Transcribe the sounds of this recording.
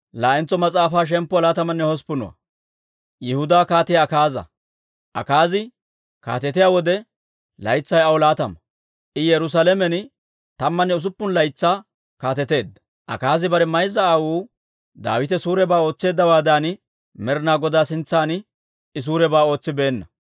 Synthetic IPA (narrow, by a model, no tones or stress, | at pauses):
laːɛnt͡sːɔmɐt͡sʼaːfaːʃ̬ɛmpːɔlaːt̪ɐmɐnːɛhɔspʊnɔ̰wɐ̰ | jɛhʊd̪aːkaːt̪ɪjaːkaːzɐ̰ | ʔɐ̰kaːzɪ | ka̰ːt̪ɛt̪ɪjaːwɔd̪ɛ | lɐjt͡sːɐjɐwɔlaːt̪ɐmɐ | ʔɪjɛɾʊs̬alɛmɛn | t̪ɐmːɐnːɛʊs̬ʊpːʊnlɐjt͡sːaː | kaːt̪ɛt̪e̞ːd̪ːɐ̥ | ʔɐ̰kaːzɪbɐɾɛmɐjzɐːwuː | d̪a̰ːwɪt̪ɛsuːɾɛbaːo̞ːt͡sːe̞ːd̪ːɐwaːd̪aːn | mɛɾnaːɡɔd̪aːsɪnt͡sːaːn | ɪs̬uːɾɛbaːo̞ːt͡sːɪbe̞ːnːɐ